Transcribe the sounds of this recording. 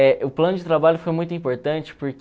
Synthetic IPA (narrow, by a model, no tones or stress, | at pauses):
ɛʊplɐ̃nʊd͡ʒɪt̪ɾabaʎʊfojmũj̃t̪ʊuĩpoɾt̪ɐ̃nt͡ʃɪ̥pʊɾk